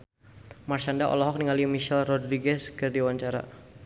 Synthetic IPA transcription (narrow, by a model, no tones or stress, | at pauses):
marʃandaʔɔ̰lɔɦɔk̚niŋalimiʃɛlrɔdɾiɡɛskɨrdiwaɲt͡ʃaɾa̰